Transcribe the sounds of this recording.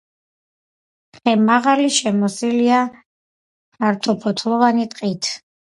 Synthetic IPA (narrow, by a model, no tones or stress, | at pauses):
χɛmaʁaliʃɛmɔsilia | aɾt̪ʰɔpʰɔt̪ʰlˠɔvanit̪ʼqʼit̪ʰ